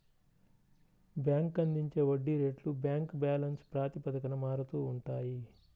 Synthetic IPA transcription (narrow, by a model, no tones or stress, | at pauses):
bjaːŋkɐnd̪iɲt͡ʃe̞ːʋɐɖːiɾe̞ːɖlubjaːŋkbaːlɐnspɾaːt̪ipɐd̪ɐkɐnɐmaːɾut̪uːɳʈaːji